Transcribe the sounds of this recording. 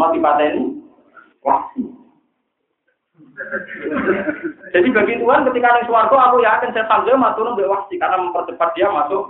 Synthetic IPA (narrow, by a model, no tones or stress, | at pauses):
at̪ipat̪ɛni | wati | d͡ʒ̥a̤diba̤ɡit̪uɦankət̪ikajaŋsuwark̪oakujakənsasaŋzəmat̪unombɛʔwast̪ikarnaməmpərd̪̥ə̤pat̪̚d̥̪iamaso